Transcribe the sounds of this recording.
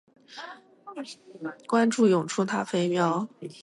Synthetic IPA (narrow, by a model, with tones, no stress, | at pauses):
kwa˥nʈ͡ʂu˥˩jʊ˨˩ŋʈ͡ʂʰu˥˧t̪ʰa˥fe˥ɪmjɑ˥ʊ